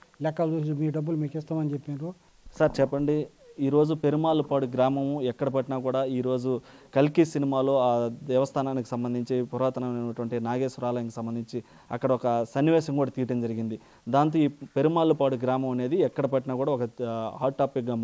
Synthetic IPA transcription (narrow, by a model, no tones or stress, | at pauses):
lɛkːɐlumiːɖɐbːulmiːkist̪aːmɐnit͡ʃepːinɾu | saːɾt͡ʃɛpːɐɳɖi | iːɾo̞ːd͡ʒupe̞ɾumaːlupaːɽuɡɾaːmɐmɛkːɐɽɐp̬ɐʈinaːkuːɽaːiːɾo̞ːd͡ʒukɐlkisinimaːlo̞ːaːɛːʋɐst̪ʰaːnaːniki̥sɐmbɐnd̪iɲt͡ʃipɔɾaːt̪ɐnɐnenːɐʈuʋɐɳʈinaːɡeːsuɾaːlɐjɐnŋkisɐmbɐnd̪iɲt͡ʃi | ɐ̰kːɐɽɐɔkɐsɐnːiʋɛːʃɐŋkuːɽaːt̪iːʈɐnd͡ʒɐɾiɡind̪i | d̪aːnt̪oːiːpe̞ɾumaːlupaːɽuɡɾaːmɐmɐne̞ːd̪iɛkːɐɽɐpɐʈinaːkuːɽaːɔkɐɦa̰ːɾʈːaːpik̚ɡa